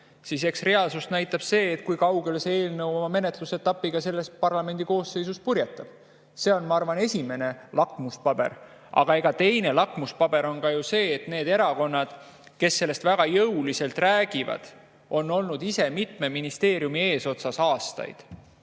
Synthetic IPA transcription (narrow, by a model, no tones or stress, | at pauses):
sise̞ksre̞ɑlsust̪næjt̪ːˑɑb̥se̞ːt̪̚ˑkujkɑwɡe̞lsee̞ːlnɤwomɑme̞ne̞t̪luse̞t̪ːɑpːˑiɡ̥ɑse̞lːe̞spɑrlɑme̞nd̪iko̞ːsːe̞jsuspurjet̪ːˑɑb̥ | se̞o̞nmɑɑrvɑne̞sʲime̞ne̞lɑkˑmuspɑb̥e̞̰ɾ | ɑ̰ɡ̥ɑe̞ɡ̥ɑt̪e̞jne̞lɑkmuspɑb̥e̞ɾo̞nkɑjuse̞ːt̪ne̞ːd̪e̞ɾɑko̞nːɑd̪̥ | ke̞sːe̞lːe̞st̪væɡ̥ɑjɤwlise̞lt̪ræːɡ̥ivɑ̰d̪̥ | ʔo̞nːo̞lnud̪ise̞mit̪me̞minist̪e̞ːɾjumie̞ːso̞t̪sɑsɑːst̪ɑ̰jd̪̥